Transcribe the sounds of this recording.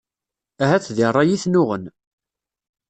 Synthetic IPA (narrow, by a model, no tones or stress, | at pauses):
æɦæt͡sːðirˤːɑjiθnʊʁən